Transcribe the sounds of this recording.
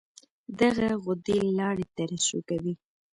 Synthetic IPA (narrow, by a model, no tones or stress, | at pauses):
d̪aɣaɣʊd̪elɑɽet̪aɾasokawi